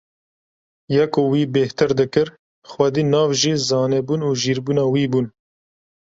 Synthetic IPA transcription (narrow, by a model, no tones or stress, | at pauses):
jɛkowiːbeht̪ɨɾd̪ɨkɨɾ | xwɛd̪iːnɑːvʒiːzɑːnɛbuːnuːʒiːɾbuːnɑːwiːbuːn